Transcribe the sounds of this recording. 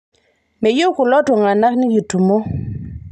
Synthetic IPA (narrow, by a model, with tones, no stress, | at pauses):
me˨ju˦ku˨lɔ˦tu˨ŋa˨na˦kni˦ju˨tu˨mo˦